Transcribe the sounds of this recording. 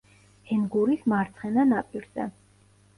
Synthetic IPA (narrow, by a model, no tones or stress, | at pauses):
ɛnɡuɾismaɾt̪sʰχɛnanapʼiɾzɛ̰